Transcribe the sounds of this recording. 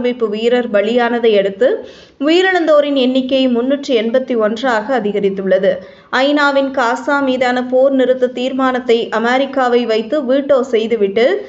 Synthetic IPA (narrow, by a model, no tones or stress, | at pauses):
mɪpːɯʋijɾɐɾbɐɭɪjaːnɐðɐɪɛɽɯt̪ːɯ | ʋijɪɾɐɳɐnd̪oːɾɪnɛnːɪkːɐjmʊnːɯʈrɯɛnbɐt̪ːiɔndraːɣɐːðɪɣɐɾɪt̪ːɯɭːɐðɯ | ʔɐɪnaːʋɪnkaːsaːmiːðaːnɐpoːɾnɪɾɯt̪ːɐt̪iːɾmaːnɐt̪ːɐɪʔɐmeːɾɪkːaːʋɐɪʋɐɪt̪ːɯʋiːʈːoːsɛjðɯʋɪʈːɯ